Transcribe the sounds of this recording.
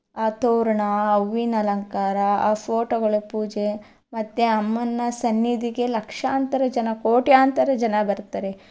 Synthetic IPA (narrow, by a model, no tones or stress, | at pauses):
aːt̪oːɾɐɳɐɐʋːinɐlɐŋkaːɾɐaːpʰoːʈoɡɐɭupuːd͡ʒe | mɐt̪ːeɐmːɐnːɐsɐnːid̪iɡe̞lɐkʂaːnt̪ɐɾɐd͡ʒɐnɐkoːʈijaːnt̪ɐɾɐd͡ʒɐnɐbɐɾt̪aɾe